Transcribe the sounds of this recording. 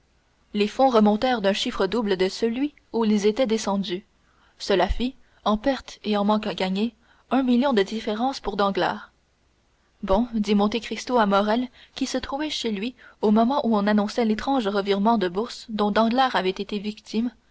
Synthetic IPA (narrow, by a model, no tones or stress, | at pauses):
lefɔ̃ʁəmɔ̃t̪ɛʁd̪œ̃ʃifχəd̪ubləd̪əsəlɥi | uilzet̪ɛd̪esɑ̃d̪y | səlafi | ɑ̃pɛʁt̪eɑ̃mɑ̃kaɡʲaɲe | œ̃miljɔ̃d̪əd̪ifeʁɑ̃ːspuʁd̪ɑ̃ɡla̰ːʁ | bɔ̃d̪imɔ̃t̪ekχist̪oamɔʁɛlkʲisət̪χuvɛʃelɥiomɔmɑ̃ʔuɔ̃nanɔ̃sɛlet̪χɑ̃ʒʁəviʁmɑ̃d̪əbuʁsd̪ɔ̃d̪ɑ̃ɡlaːʁavɛt̪et̪evikt̪im